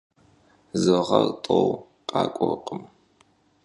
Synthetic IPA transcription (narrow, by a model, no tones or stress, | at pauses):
zɨʁɐrtʼow | qʼɑːkʷʼɔrqʼəm